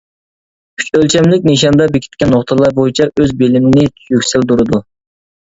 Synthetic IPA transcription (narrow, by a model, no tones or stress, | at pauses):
kʰy̥t͡ʃʲølt͡ʃʰɛmlɪkʲneʃɑnd̪ɑbekʲʰi̥t̪ʲkʲɛnːoχt̪ʰəlˠɑɾbojit͡ʃʰɛʔøzbelɪmɪnɪt̪ʰy̥jykʲsɪld̪uɾɨd̪u